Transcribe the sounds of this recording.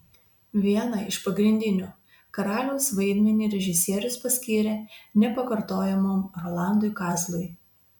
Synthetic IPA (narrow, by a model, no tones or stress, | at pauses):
ʋʲiɛnɐɪʃpɐɡɾʲɪnʲd̪ʲɪnʲuː | kɐɾɑːlʲɛʊsʋɐɪd̪ʲmʲɛnʲɪɾʲɛʒʲɪsʲiɛɾʲʊspɐsʲkʲiːɾʲeːnʲɛpɐkɐɾt̪oːjɛmoːmɾoːlˠɑˑnd̪ʊɪkɑːzlˠʊj